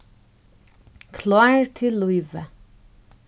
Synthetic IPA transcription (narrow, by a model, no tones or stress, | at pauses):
kʰlɑːɹt̪ʰɪlːuɪʋə